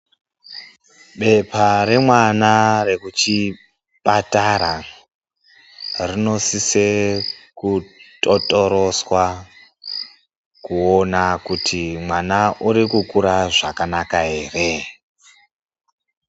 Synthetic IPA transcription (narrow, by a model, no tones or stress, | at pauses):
ɓe̞paɾe̞mwanare̞kut͡ʃi | pataɾa | rino̞sisekutʼotʼoɾo̞swa | kuonakutʰimwanaʔuɾikukuɾaʐakanakaɦe̞ːre